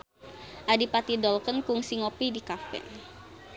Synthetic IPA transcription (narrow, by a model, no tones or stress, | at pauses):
ʔadipat̪idɔlkənkʊŋsiŋopidikafɛ̰n